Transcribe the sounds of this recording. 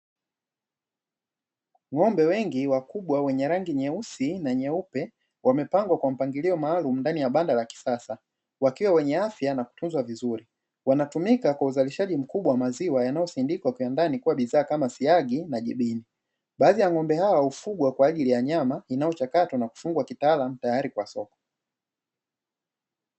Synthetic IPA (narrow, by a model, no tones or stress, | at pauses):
ŋɔmbɛwɛŋɡiwakuɓwawɛɲɛɾaŋɡiɲɛusinaɲɛupɛ | wamɛpaŋɡwakwam̩paŋɡiliɔmaːlum̩ndanijaɓandalaki̥sasa | wakiwawɛɲɛafjanaku̥tunzwavizuɾi | wanatumikakwauzaliʃaʄim̩kuɓwawamaziwajanajɔsindikwakiandanikuwaɓiðaːkamasiaɡinaʄiɓini | ɓaːðijaŋɔmbɛhawaufuɡwakwaːʄilijaɲamainajɔt͡ʃakatɔnaku̥fuŋɡwakitaːlam̩tajaɾikwasɔkɔ̥